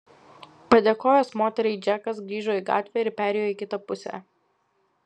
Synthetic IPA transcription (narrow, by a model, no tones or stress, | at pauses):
pɐd̪ʲeːkoːjoːsmoːt̪ʲɛɾʲɛɪd͡ʒʲɛkɐsɡɾʲiːʒoːiːˑɡɑ̰ːt̪ʲʋʲɛːɪɾpʲæːɾʲɛjoːɪˑkʲɪt̪ɐpʊsʲɛ̰